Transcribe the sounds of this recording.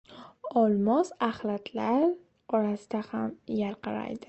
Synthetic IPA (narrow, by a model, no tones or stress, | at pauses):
ɒlˠmɒzaχlat̪ʰlaɾ | ɒɾasɪd̪ahamjaɾqʰɨɾa̰jd̪ɪ